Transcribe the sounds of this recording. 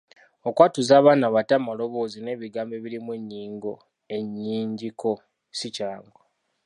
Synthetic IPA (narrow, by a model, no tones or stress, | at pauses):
okwatuzaːβaːnaβatamalo̞βo̞ːzine̞ːβiɡaːmbeβiɾimweɲːiːŋɡo | e̞ɲːiːɲɟiko̞ | sicaːŋɡo